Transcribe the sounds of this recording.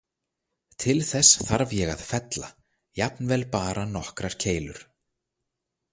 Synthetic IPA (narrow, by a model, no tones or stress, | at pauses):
t̪ʰɪlθɛsθaɾvjɛɣa̰ðfɛt̪la | japnvɛːlpaːɾanɔhkɾaɾ̥cʰeːjlʏɾ̥